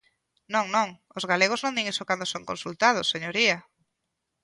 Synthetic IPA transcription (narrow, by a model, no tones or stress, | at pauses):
nõŋnõŋ | ozɣaleɣ̞ʊznõŋd̪iŋisokand̪osoŋkonsult̪að̞ʊsːeɲoɾia